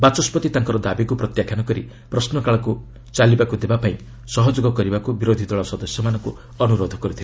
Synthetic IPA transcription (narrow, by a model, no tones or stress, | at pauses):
bat͡ʃɔspɔt̪it̪ãŋkɔɾɔd̪abikupɾɔt̪jakʰjanɔkɔɾi | pɾɔsnɔkaɭɔku | t͡ʃalibakud̪ebapaĩ | sɔɦɔd͡ʒoɡɔkɔɾibakubiɾod̪ʱid̪ɔɭɔsɔd̪ɔsjɔmanɔŋku | ɔnuɾod̪ʱɔkɔɾut̪ʰile